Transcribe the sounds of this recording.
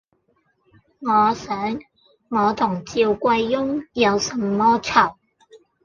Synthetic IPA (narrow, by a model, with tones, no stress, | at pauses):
ŋɔː˨˧sœː˨˥ŋ | ŋɔː˨˧t̪ʰʊ˨˩ŋt͡siː˧wkʷɐ˧jːʊ˥ŋjɐ˨˧wsɐ˨˧mːɔː˥t͡sʰɐ˨˩w